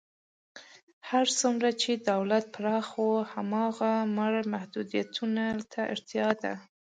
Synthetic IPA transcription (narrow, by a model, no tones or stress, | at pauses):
haɾt͡sumɾat͡ʃed̪awlat̪̚pɾɑxohamɑɣamaɽmahd̪ud̪ijat̪ʰunat̪ʰaʔɪ̰ɾt̪jɑd̪a̰